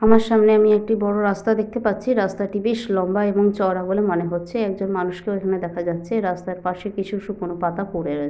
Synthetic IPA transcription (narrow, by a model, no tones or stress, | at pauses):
amaɾʃamneamiɛk̚ʈibɔɽoɾast̪ad̪ek̚t̪epatːɕʰiɾast̪aʈibeʃlɔmbaeboŋt͡ɕɔɾabolemoneɦotːɕʰeɛk̚d͡ʑonmanuʃkeoekʰaned̪ɛkʰad͡ʑatːɕʰeɾast̪aɾpaʃekit͡ɕʰuʃukonopat̪akoɽeɾo